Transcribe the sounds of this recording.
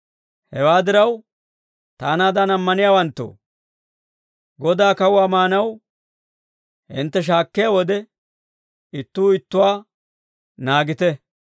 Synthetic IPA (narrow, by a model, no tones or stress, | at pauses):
hɛwaːd̪ɪɾɐw | t̪aːnaːd̪ɐnɐmːɐnɪjaːwɐnt̪ːo̰ː | ɡɔd̪aːkɐwʊwaːmaːnɐw | hɪ̰nt̪ːɛʃ̬aːkːɪjaːwɔd̪ɛ | ɪt̪ːuːɪt̪ːʊwaː | naːɡɪt̪ɛ